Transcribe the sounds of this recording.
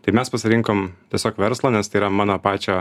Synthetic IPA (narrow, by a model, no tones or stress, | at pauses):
t̪ɐɪmʲɛspɐsʲɪɾʲɪŋkoːmt̪ʲɛsʲoːkʋʲɛɾslˠoːnʲɛst̪ɐɪiɾɐmɑːnoːpɑːt͡ʃʲo